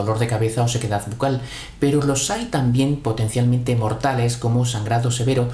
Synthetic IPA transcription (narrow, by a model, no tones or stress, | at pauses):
olo̞ɾðe̞kaβe̞θaose̞ke̞ðaðβukal | pe̞ɾolo̞sajt̪ambje̞mpo̞t̪e̞n̟θjalmẽnt̪emo̞ɾt̪ale̞sko̞mosaŋɡɾaðose̞βe̞ɾo